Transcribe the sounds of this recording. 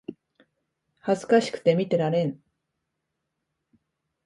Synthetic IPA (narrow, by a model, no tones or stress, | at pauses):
hazɨ̥kaɕi̥kɯ̟̥t̪e̞mʲit̪e̞ɾaɾẽ̞ŋ